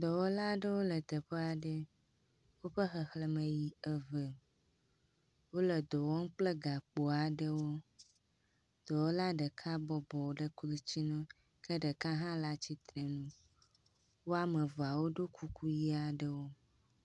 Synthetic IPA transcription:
d̪ɔ˨wɔ˦la˦ɖə˦wo˦lə˨t̪ə˨ɸe˦a˨ɖə˦ | wo˦ɸə˦xə˨xlə˨mə̃˨ji˨ə˨və˨ | wo˦lə˨d̪ɔ˨wɔ˦ŋ̩˦k͡plə˦ɡa˨k͡po˨a˨ɖə˦wo˦ | d̪̥ɔ˨wo˦la˦ɖə˨kʰa˦bɔ˨bɔ˨wo˨ɖə˦klu˦t͡ɕi˦nɔ̃˦ | kə˦ɖə˨ka˦ɦã˦la˦t͡ɕi˦t̪ɾə˨nũ˦ | wo˦a˦mə˨va˨wo˦ɖo˦kʰu˦ku˦ji˦a˨ɖə˦wo˦

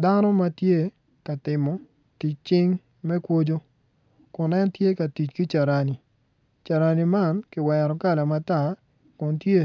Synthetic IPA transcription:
da˦nɔ˦ma˦tje˦ | ka˨tɪ˨mɔ˨ | ti˨t͡ʃt͡ʃɪ˦ŋ | mɛ˦kwo˦d͡ʒo˦ | kʊ˨nɛ˦ntje˦ka˨ti˨t͡ʃki˦t͡ʃa˨ɾa˨ni˨ | t͡ʃa˨ɾa˨ni˨ma˦nkɪ˨wɛ˨ɾɔ˨ka˦la˨ma˨ta˦˨ | kʊ˨ntje˦

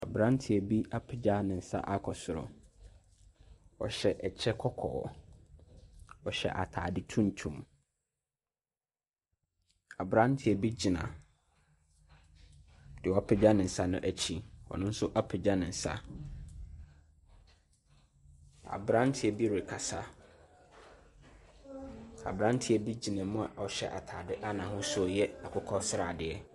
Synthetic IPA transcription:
a˨bɾã˦n˦tʰɪ˨ɛ˨bi˦ʔa˦pʰɪ˨d͡ʑa˦nɪ̃˨n̩˨sa̰˦ʔa˦kʰɔ˨sʊ˨ɾɔ̰˨ | wɔ̰˨ɕɛ˨ʔɛ˨t͡ɕʰɛ˦kʰɔ˦kʰɔ̰ː˨ | wɔ˨ɕɛ̰˨ʔa̰˨tʰa̰ː˨dɪ˦tʰũ˦n˨tʰũ˨m | a˨bɾã˦n˦tʰɪ˨ɛ˨bi˦d͡ʑi˨nã̰˨ | d̥ɪ˨wɔ˨˦pʰɪ˨d͡ʑa˦nɪ̃˨sa˦nʊ̰̃˦ʔæ˦t͡ɕʰi˦wɔ̰˨nʊ̃˦n̩˦sʊ˦ʔa˦pʰɪ˨d͡ʑa˦nɪ̃˨sa̰˦ | a̰˨bɾã˦n˦tʰɪ˦ɛ˨bi˦ɾe˨kʰa˨sa˦ | a̰˨bɾã˦n˦tʰɪ˦ɛ˨bi˦d͡ʑi˨nã˨mʊ̃˦a̰˨ɔ˨ɕɛ̰˦ʔa˨tʰaː˨dɪ˦ʔa˦nã˨ɦʊ̃˦sʊ˦jɛ˦a˨kʰʊ˦kʰɔ˦sɪ˦ɾa̰ː˨dɪ˨ɛ˦

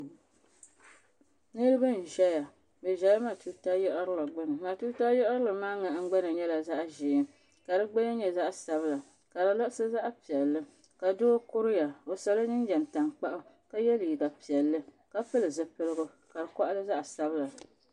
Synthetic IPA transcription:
nɨ˦lɨ˦bɨ˦n̩˨ʒɛ˦ja˨ | bɛ˨ʒɛ˦ja˦ma˨tu˦ta˦jɔ˦ʔɾɨ˦la˨ɡ͡bɨ˦nɨ˨ma˨tuː˦ta˦jɔ˦ʔɾɨ˦lɨ˨maː˦ŋa˨˦ŋ̩˦ɡ͡ba˦nɨ˨ɲɛ˦la˨za˦ʔʒɪː˨˦ | ka˨dɨ˦ɡ͡ba˦ja˦ɲɛ˨za˦ʔsa˨bɨ˦la˨ | ka˨dɨ˨lɔ˦ʔsɨ˦za˦ʔpi˨ɛ˨lːɨ˦ | ka˨doː˦kʊ˦ɾʊ˦ja˨o˨sa˨la˦ɲɨ˦n˦d͡ʒɛ˨n˨ta˨ŋk͡pa˦ʔʊ˦ | ka˦jɛ˦li˨ɡa˨pi˨ɛ˨lːɨ˦ | ka˦pɨ˦lɨ˨zɨ˦pɨ˦lɨ˦ɡʊ˦ | ka˨ɾɨ˨kɔ˦ʔa˦lɨ˦za˦ʔsa˦bɨ˦la˨

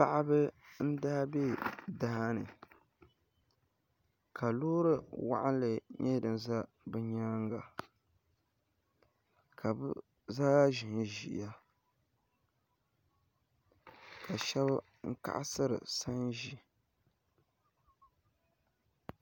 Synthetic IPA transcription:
pa˦˨ʔa˦bɨ˦n̩˦daː˦be˦˨da˦ha˦nɨ˨ | kʰa˨loː˦ɾɨ˦wa̰˦ʔa̰˦n˦lɨ˨ɲɛ˦dɨ˨nza˦ | bɨ˦ɲaː˦ŋɡa˨ | kʰa˨b | zaː˦ʒi˨ʒi˨ʔja˦ | ka˨ʃɛ˦b | ŋ̩˦ka̰˦ʔa̰˦sɨ˦ɾɨ̰˨sa˦nʒi˨

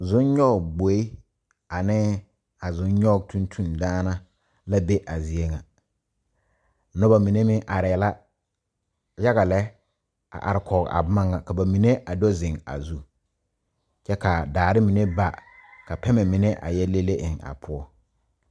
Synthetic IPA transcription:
zʊ˦nɲɔ˦˨ɡbo˨˦i˦ | a˨nɪ˦ | a˨zʊ˦nɲɔ˦ɡ̚tʰũ˦ntʰu˦˨ndaː˦na˦ | la˦be˦ʔa˨zi˨e˦ŋa˨˦ | nɔ˦ba˨mi˨ne˦mɪ˦ʔa˨ɾɪ˨la˦ | ja˦ɣa˨lɛ˦ | a̰˨ʔa̰˨ɾɪ˨kʰɔ˨ɡa̰˨˦ma˦ŋːa˨ka˨ba˨mi˨ne˦ʔa˨dɔ˦zɪ˨ŋa̰˨zu˦ | t͡ʃɛ˦ka˨daː˨ɾɪ˦mi˨ne˦ba˦ka˨pɛ˦mɛ˨mɪ˨nɛ˦ʔa̰˨jɛ˦le˦le˦ʔɪ˨ŋa̰˨pʰʊ˦ɔ˦

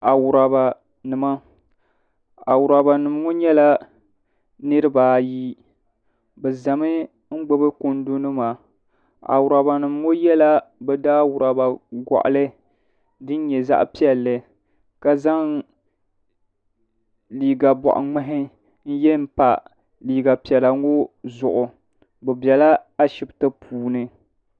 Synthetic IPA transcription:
a˨wʊ˨ɾa˨ba˨ | nɨ˨ma˦ | a˨wʊ˨ɾa˨ba˨nɨ˨m˦ŋo˦ɲɛ˦la˦ | nɨ˦ɾɨ˦baː˨ji˦ | bɛ˨za˨mɨ˦ | ŋ̩˦ɡ͡bo˦bɨ˦ko˦n˦do˦nɨ˦maː˨ | a̰˨wʊ˨ɾa˨ba˨nɨ˨m˦ŋo˦jɛ˦la˦bɛ˨daː˦wʊ˨ɾa˨ba˨ɡɔ̰˨ʔa̰˨lɨ˦ | dɨ˦n˦ɲɛ˨za̰˦ʔpi˦ɛ˨lːɨ˨ | ka˦za˦ŋ | liː˨ɡa˨bɔ̰˨ʔʊ̰˨ŋ͡mɛ˦ɦɪ˦ | n̩˦jɛ˦m̩˦pa̰˨ | liː˨ɡa˨pi˨ɛ˨la˨ŋo˦zʊ˨ʔʊ˨ | bɛ˨bjɛ˨la˦a˦ʃɪ˨btɨ˦pʰuː˨nɨ˦

